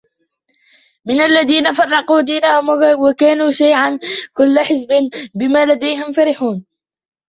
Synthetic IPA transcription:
mɪnalːaðiːnafɑrˤːɑquːd̪iːnahʊmwakaːnuːʃajʕankʊlːħɪs̬bɪnbɪmaːlad̪ajhɪmfaɾɪħuːn

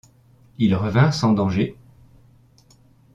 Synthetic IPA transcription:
ilʁəvɛ̃sɑ̃d̪ɑ̃ʒe

